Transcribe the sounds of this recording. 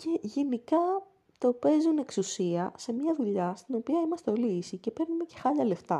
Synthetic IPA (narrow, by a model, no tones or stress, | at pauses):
ce̞ʝe̞nikɐ | t̪o̞pe̞zune̞ksusiɐse̞mɲɐðuʎɐst̪ino̞piɐimɐst̪e̞o̞liisice̞pe̞ɾnume̞ce̞xɐʎɐle̞ft̪ɐ